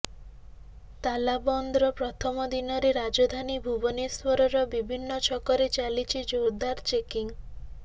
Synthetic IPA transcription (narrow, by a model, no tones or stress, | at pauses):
t̪alabɔnd̪ɾɔpɾɔt̪ʰɔmɔd̪inɔɾeɾad͡ʒɔd̪ʱanibʱubɔneswɔɾɔɾɔbibʱinːɔt͡ʃʰɔkɔɾet͡ʃalit͡ʃʰid͡ʒowd̪aɾt͡ʃekiŋ